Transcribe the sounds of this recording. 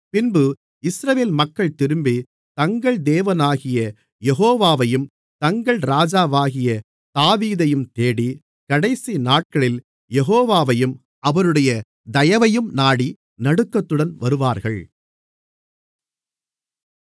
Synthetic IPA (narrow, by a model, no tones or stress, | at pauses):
pɪnbɯ | ɪsɾɐʋeːlmɐkːɐɭt̪ɪɾɯmbi | t̪ɐŋɡɐɭd̪eːʋɐnaːɣɪjɐ | jɛɣoːʋaːʋɐjɯm | t̪ɐŋɡɐɭɾaːd͡ʒaːʋaːɣɪjɐ | t̪aːʋiːðɐjɯmt̪eːɽi | kɐɽɐɪsinaːʈ̚kɐɭɪl | jɛɣːʋaːʋɐjɯm | ɐʋɐɾɯɽɐjɐ | d̪ɐjɐʋɐjɯmnaːɽi | nɐɽɯkːɐt̪ːɯɽɐnʋɐɾɯʋaːɾɣɐɭ